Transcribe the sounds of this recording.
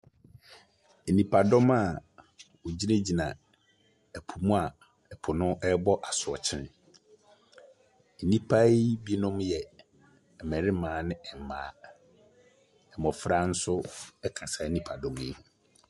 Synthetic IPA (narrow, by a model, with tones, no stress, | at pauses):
nĩ˨pʰa˨dɔ˦ma˨ | o˨d͡ʑi˦nẽ˦d͡ʑi˨nã˨ | ɛ˨pʰu˨mũ˦a˨ | ɛ˨pʰʊ˨nʊ̃˦ʔɛ˦bɔ˦ʔa˨sʊ˨ɔ̰˨t͡ɕʰɪ̃˦n˨ | nĩ˦pʰa˦i˦bi˦nʊ̃˦mjɛ˨ | ɛ˨mɛ̃˨ɾɪ˦mãː˨nɪ̃˦ɛ˨m˨mãː˨˦˨ | ɛ˨mɔ˨fɾa˦n̩˦sʊ˦ɛ˦kʰa˨sa˨˦nĩ˦pʰa˨dɔ̃˨˦m˦e˦h